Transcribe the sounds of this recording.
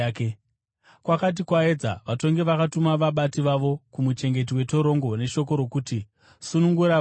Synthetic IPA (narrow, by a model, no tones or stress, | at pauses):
ke | kwakat̬ikwae̞d͡za̰ʋato̞ŋɡe̞ʋakatumaʋaɓatiʋaʋo̞kumut͡ʃe̞ŋɡe̞t̬iwe̞to̞ɾo̞ŋɡo̞ne̞ʃo̞ko̞ɾo̞kuti | sunuŋɡuɾa